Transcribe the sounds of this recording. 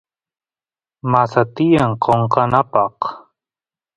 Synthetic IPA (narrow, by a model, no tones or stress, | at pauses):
masat̪ɪjaɴqʰoɴqɑnapɑq